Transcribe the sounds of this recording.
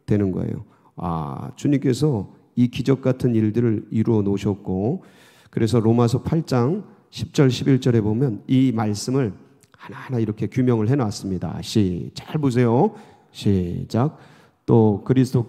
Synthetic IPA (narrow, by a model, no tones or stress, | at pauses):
twe̞nɯnɡʌ̰ḛjo̰ | a̰t͡ɕuɲimk͈e̞sʰʌ | ikid͡ʑʌk̚k͈atʰɯniɭdɯɾɯɾiɾuʌnoɕʰʌt̚k͈o | kɯɾe̞s̬ʰʌɾomasʰʌpʰaɭt͡ɕ͈aŋ | ɕʰi̥p̚t͡ɕ͈ʌɭɕʰibiɭt͡ɕ͈ʌɾe̞bomjʌnimaɭs͈ɯmɯɭ | hanahanaiɾʌkʰe̞kjumjʌŋɯɭɦe̞nawas͈ɯmɲida̰ɕʰit͡ɕaɭmus̬ʰe̞jo | ɕʰid͡ʑak̚ | t͈okɯɾisʰɯtʰo